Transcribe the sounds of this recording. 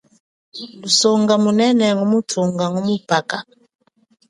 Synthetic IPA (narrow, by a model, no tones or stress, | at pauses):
lusɔŋɡamunɛnɛŋumutʰuŋɡaŋumupaka